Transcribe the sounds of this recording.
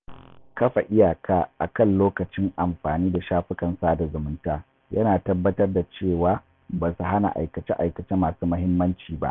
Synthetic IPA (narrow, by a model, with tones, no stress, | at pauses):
kɐ˦ɸa˨ʔɪ˦jaː˨kʰaː˦ʔa̰˨kɐ˦˨nloː˦kɐ˨t͡ʃɪ˦ŋʔa˨mɸaː˨niː˦da˨ʃaː˦ɸɪ˦kɐ˨nsaː˦da˨zʊ˨mʊ˦ntaː˦ | jɐ˦naː˨tɐ˦bːɐ˦tɐ˦rda˨t͡ʃeː˦˨waː˦ | baː˨su˨ɦa˦na̰˨ʔa̰˨jkɐ˨t͡ʃe˦ʔa̰˨jkɐ˨t͡ʃe˦maː˨suː˦mɐ˦ɦɪ˦mːɐ˦nt͡ʃiː˨ba̰˦ʔ